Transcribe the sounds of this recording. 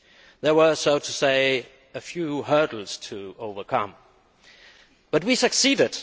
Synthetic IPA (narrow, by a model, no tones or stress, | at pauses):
ðə˞wə˞soʊtʰəseɪ | əfjuɦɜ˞ɾl̩ˠz̥tʰəoʊvə˞kʰʌ̰̃m | b̥ʌt̚wisɨksiːdɪd̥